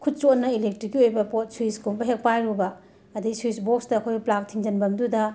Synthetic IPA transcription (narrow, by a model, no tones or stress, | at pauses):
kʰut̚t͡ʃotnɐilek̚tɾikːiojbɐpot̚suiskombɐɦek̚pajɾubɐ | ɐdiisuisbok̚sdɐːkʰojɡiplak̚tʰiŋd͡ʒɐnbɐmdudɐ